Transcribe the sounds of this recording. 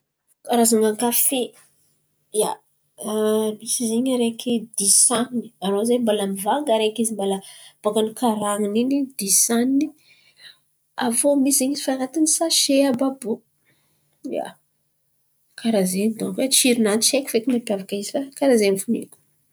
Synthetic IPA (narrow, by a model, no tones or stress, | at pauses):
kaɾazaŋaŋkafe | ja | misizeɲaɾekid̪isanni̥aɾozembalamivaŋɡaɾekizimbalab̥aɡanikaɾaŋininid̪isanːi | avomisiɲizi̥faɾat̪anisaʃeababo | ja̰ | kaɾazenid̪õŋkat͡ʃiɾinant͡ʃekʲu̥fekimapjavakaizifakaɾazenifunḛku̥